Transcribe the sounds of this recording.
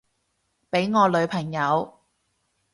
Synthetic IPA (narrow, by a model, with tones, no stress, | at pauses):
pe˨˥jŋɔː˨˧lɵ˨˧ɥpʰɐ˨˩ŋjɐ˨˧w